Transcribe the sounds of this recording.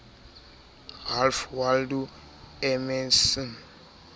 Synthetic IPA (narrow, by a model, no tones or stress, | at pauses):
ɣalfwaldu | ɛmɛnsɔn